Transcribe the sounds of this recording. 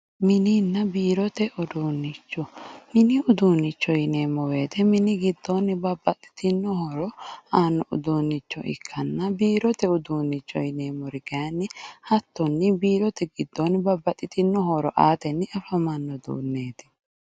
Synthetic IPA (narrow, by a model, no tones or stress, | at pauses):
mɪniːnːɐbiːɾɔt̪ɛʔɔd̪uːnːɪt͡ʃːɔmɪnɪʊd̪uːnːɪt͡ʃːɔjɪne̞ːmːɔwe̞ːt̪ɛmɪnɪɡɪd̪ːonːɪbɐbːɐt̪ʼːɪ̥t̪ɪnːɔhɔɾɔaːnːɔʔʊ̰d̪uːnːɪt͡ʃːɔ̰ʔɪ̰kʰːɐnːɐbiːɾɔt̪ɛʊd̪uːnːɪt͡ʃːɔjɪne̞ːmːɔɾɪɡɐjɐnːɪhɐt̪ːɔnːɪbiːɾɔt̪ɛɡɪd̪ːonbɐbːɐt̪ʼːɪt̪ɪnːɔɦɔɾɔʔaːt̪ɛnːɪɐfɐmɐnːɔd̪ṵːnːe̞ːt̪ɪ̥